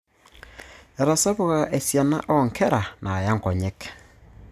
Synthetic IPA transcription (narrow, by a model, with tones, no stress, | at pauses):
ɛ˨ɾa˨sa˦βʊ˨ɣa˨a˨ʔe˨sja˨na̰˦ʔɔ˦ŋkʰɛ˦ɾa˨nʔa˨ja˦ŋ˨kɔ˨ɲɛ˦k